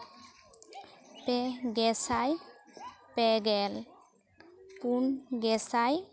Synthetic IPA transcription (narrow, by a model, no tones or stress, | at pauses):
pɛɡɛsaj | pɛɡɛl | punɡɛsaj